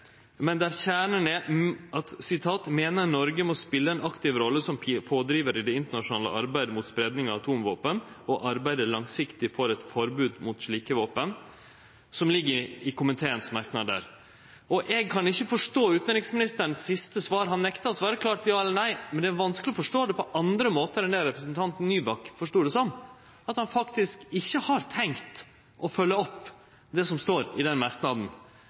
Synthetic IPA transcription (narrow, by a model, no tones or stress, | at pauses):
mɛnd̪æɾçæːɳənɛɑt̪sɪt̪ʰɑːt̪meːnəɾnɔɾɡəmɔspɪlːəɛnɑkt̪ɪʋɾɔlːəsɔmpʰoːd̪ɾiːʋəɾɪd̪ɛɪnt̪əɳɑʂʊnɑːlə̰ʔɑɾbæɪd̪əmʊt̪spɾeːd̪nɪŋɑɑt̪ʰuːmʋoːpən | ɔʔɑɾbæɪd̪əɭɑŋsɪkt̪ɪfɔɾɛt̪fɔɾbʉːd̪mʊt̪ʂɭiːkəʋoːpən | sɔmlɪɡːəɪkʊmənt̪ʰeːənsmɑɾknɑd̪ə̰ɾ | ʔɔʔɛɡ̚kʰɑnɪçːəfɔʂʈoːʉːt̪næɾɪŋsmɪnɪst̪əɳ̩sːɪst̪əsʋɑːɾɦɑnːɛkt̪ɑsʋɑːɾəkʰlɑːɾt̪jɑːɛlːəɾɳnæɪmɛnd̪ɛːæɾʋɑnsklɪɔfɔʂʈoːd̪ɛpɔʔɑnd̪ɾəmoːt̪əɾɛnæɾɛpɾəsənt̪ʰɑnt̪n̩ːyːbɑkːfɔʂʈoːɖɛsɔm | ɑt̪hɑnfɑkt̪ɪskɪçːəhɑɾt̪ʰɛŋkt̪ | ʔɔfœlːəɔpː | d̪ɛsɔmst̪oːɾɪd̪ɛnmɑɾknɑd̪n̩